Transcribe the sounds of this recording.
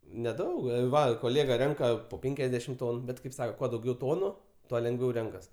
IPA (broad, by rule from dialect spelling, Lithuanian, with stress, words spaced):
nʲɛˈdɐʊk ˈʋɐ koːˈlʲeːɡɐ ˈrʲɛŋkɐ poː ˈpʲɛŋʲkʲɛzʲdʲɛʃʲɪm ˈtoːnʊ ˈbʲɛt kɐɪp ˈsɑːkoː ˈkuɔ dɐʊˈɡʲɛʊ ˈtoːnʊ ˈtuɔ lʲɛŋɡˈʋʲɛʊ ˈrʲɛŋkɐs